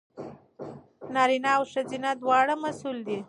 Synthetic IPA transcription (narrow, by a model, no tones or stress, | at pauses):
nɑɾinɑawʂazinad̪wɑɽamasuld̪i